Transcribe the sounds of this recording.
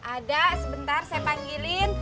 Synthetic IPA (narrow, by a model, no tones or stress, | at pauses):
ʔadasəbənt̪arsajapaŋɡilɪn